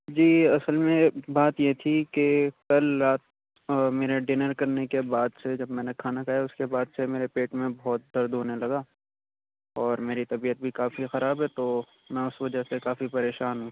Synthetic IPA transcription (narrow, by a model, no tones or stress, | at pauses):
d͡ʒiːɐsəlmẽbaːt̪jet̪ʰikekɐlɾaːt̪̚ | meːɾeɖɪnəɾkɐɾnekebaːd̪sed͡ʒɐbmɛːnekʰaːnakaːjaʊskebaːd̪semeːɾepeːʈmẽbɔːt̪̚d̪ɐɾd̪ɦoːnelɐɡa | ɔːɾmeːɾit̪ɐbiːət̪̚bʱikaːfixɐɾaːbɦɛt̪o | mɛ̃ʊsʋɐd͡ʒaɦsekaːfipɐɾeːʃaːnɦũ